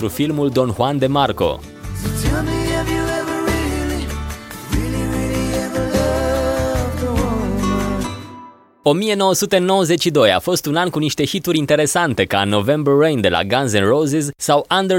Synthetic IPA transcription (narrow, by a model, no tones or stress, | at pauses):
ɾufilmuld̪o̞nxwand̪e̞marko̞̰ | stɛmiɛvjuɛvəɹeliɹiliɹiliɛvəlɔ | o̞mije̞no̞wəsut̪e̞no̞wəze̞t͡ʃʲʃid̪o̞ja̰fo̞st̪unankuniʃt̪e̞çit̪uɾʲint̪e̞ɾe̞sant̪e̞ka̰no̞ve̞mbərːejnd̪e̞lʔa̰ɡanzɛnrowzezsawand̪e